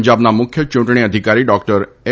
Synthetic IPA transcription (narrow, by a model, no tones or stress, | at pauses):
ɲd͡ʒabnamʊkʰjət͡ʃʊ̃ɳʈɳ̃iəd̪ʱikaɾiɖɔkʈəɾ | e